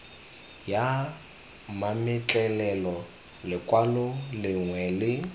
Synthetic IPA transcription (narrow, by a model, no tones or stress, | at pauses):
ja | mamɪt͡ɬʼɛlɛlɔ | lɪkʼwalʊlɪŋwɛlɪ